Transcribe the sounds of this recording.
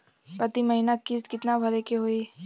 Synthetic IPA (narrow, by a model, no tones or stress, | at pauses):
pɾɐt̪imɐɦinakɪskɪt̪nabʱɐɾekeɦoi